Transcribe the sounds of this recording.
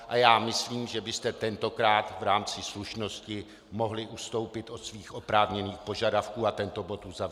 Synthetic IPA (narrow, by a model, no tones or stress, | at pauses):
ʔajaːmɪsliːmʒɛbɪst̪ɛt̪ɛnt̪o̞kɾaːt̪vɾaːmt͡sɪsluʃno̞scɪ | mo̞ɦlɪʔust̪o̞wpɪt̪ʔo̞t̪sviːxʔo̞pɾaːvɲɛniːxpo̞ʒadafkuːat̪ɛnt̪o̞bo̞t̪ʔuzav